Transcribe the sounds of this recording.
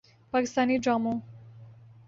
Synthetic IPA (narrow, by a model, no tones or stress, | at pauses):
paːkɪst̪aːniɖɾaːmõ